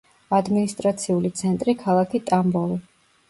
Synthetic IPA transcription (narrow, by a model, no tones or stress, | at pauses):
ad̪minist̪ʼɾat̪sʰiulit̪sʰɛnt̪ʼɾikʰalˠakʰit̪ʼambɔli